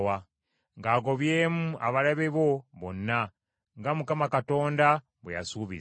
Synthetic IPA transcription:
wa | ŋɡaːɡo̞βje̞ːmua̰βalaβeβo̞βo̞̰nːa | ŋɡamukamakato̞ːnda | βweja̰suːβḭz

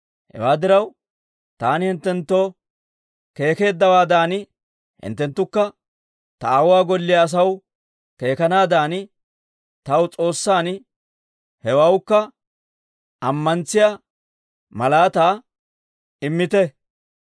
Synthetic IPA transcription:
hɛ̰waːd̪ɪɾɐw | t̪aːnɪhɪnt̪ːɛnt̪ːo̞ː | ke̞ːke̞ːd̪ːɐwaːd̪aːnɪ | hɪ̰nt̪ːɛnt̪ːʊkːɐ | t̪ɐaːwwaːɡɔlːɪjɐːs̬ɐw | ke̞ːkɐnaːd̪aːnɪ | t̪ɐwt͡sʼo̞ːsːaːn | hɛwawkːɐ | ʔɐmːɐnt͡sːɪja | mɐlaːt̪aː | ɪmːɪt̪ɛ

